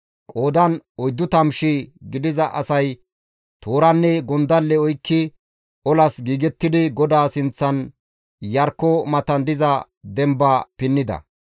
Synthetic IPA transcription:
kʼoːd̪ɐnɔjd̪ːʊt̪ɐmʃiɡɪd̪ɪzɐʔɐsɐj | t̪ʰoːɾɐnːɛɡɔnd̪ɐlːɛɔjkːɪ | ʔɔlɐsɡiːɡɛt̪ːɪd̪ɪɡɔd̪aːsɪnt͡sːɐn | jɐɾkːɔmɐt̪ɐnd̪ɪzɐ | d̪ɛmbɐpɪnːɪd̪ɐ̰

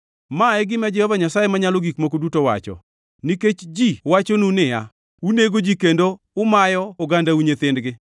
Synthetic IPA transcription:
maɛɡɪmɛd͡ʒɛhɔvaɲasajemaɲaloɡikmokodutowa̰t͡ʃɔ̰ | niket͡ʃd͡ʒiwat͡ʃonunɪja̰ | uneɡod͡ʒikendo | ʊmajɔʊɡandauɲet̪ɪndɡɪ

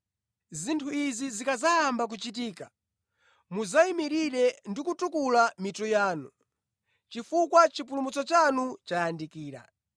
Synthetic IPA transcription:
zintʰuizizikazajambak̬ut͡ʃitiːkḁ | muzaimiɾiɾɛndikutukulamitujaːnu | t͡ʃifukwat͡ʃip̬ulumut͡sɔt͡ʃanut͡ʃajandikiːɾa̰

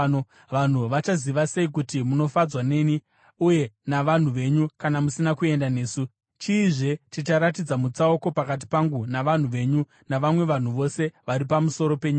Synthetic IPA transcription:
ʋan̤uʋat͡ʃaziʋase̞ik̬utimuno̞fad͡zwane̞ni | uje̞naʋan̤uʋe̞ɲukanamusinakue̞ndane̞ːsu | t͡ʃiːʐe̞tit͡ʃaɾat̬id͡zamut͡saoko̞pakat̬i̥paŋɡunaʋan̤uʋe̞ɲu | naʋamwe̞ʋan̤uʋo̞se̞ʋaɾipamuso̞ɾo̞pe̞ɲua

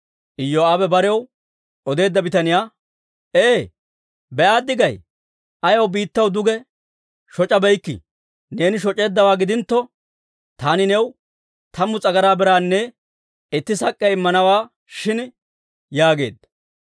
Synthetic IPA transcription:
ʔɪjːɔaːbɛbɐɾɛw | ʔɔd̪e̞ːd̪ːɐbɪt̪ɐnɪjaː | ʔeː | bɛʔaːd̪ːɪɡɐj | ʔɐjɐwbiːt̪ːɐwd̪ʊɡɛ | ʃɔt͡ʃʼːɐbɛjkːɪ̰ | ne̞ːnɪʃ̬ɔt͡ʃʼːe̞ːd̪ːɐwaːɡɪd̪ɪnt̪ːɔ | t̪aːnɪnɛw | t̪ɐmːʊt͡sʼɐɡɐɾaːbɛɾaːnːɛ | ɪt̪ːɪsɐkʼːɛɪmːɐnɐwaː | ʃɪn | jaːɡe̞̰ːd̪ːɐ

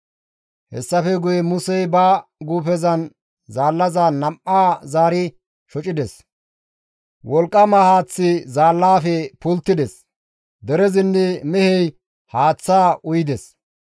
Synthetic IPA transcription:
hɛ̰sːɐfɛɡʊjɛmʊsɛjbaːɡuːpɛzɐn | zaːlːɐzanːɐmʔaːzaːɾɪ | ʃɔt͡ʃʼɪd̪ɛs | wɔlkʼːɐmahaːt͡sːɪzaːlːaːfɛpʊlt̪ːɪd̪ɛs | d̪ɛɾɛzɪnːɛmɛhɛj | haːt͡sːaːʔʊjɪd̪ɛs

